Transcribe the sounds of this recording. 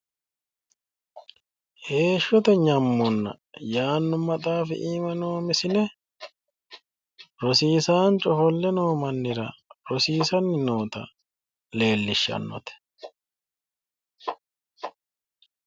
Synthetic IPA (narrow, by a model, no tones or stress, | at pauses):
he̞ːʃːɔt̪ɛɲɐmːɔnːɐ̰ | jaːnːʊmːɐt̪ʼaːfɛ̰ʔiːmɐnoːmɪsɪnɛ | ɾɔsiːsaːnt͡ʃʼɔfɔlːɛnoːmɐnːɪɾɐ̰ɾɔsiːsɐnːɪno̞ːt̪ɐ̰ | le̞ːlːɪʃːɐ̰nːɔ̰t̪ɛ̥